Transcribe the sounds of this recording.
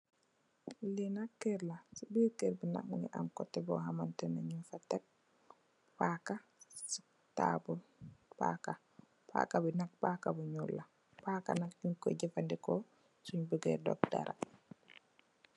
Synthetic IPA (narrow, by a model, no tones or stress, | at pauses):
linakːɛɾlasibiɾkɛɾbina̰k̚mŋɛʔamkɔtːɛbɔɦamantɛnaɲinfatːɛk̚ | pakasi̥ | ta̰bupa̰ka | pa̰kabinak̚pakabuɲulːa | paka̰nakjunkɔ̰ɟɛfandɛkɔ | suɲbuɡɛ̰dɔ̰k̚da̰ɾʔa̰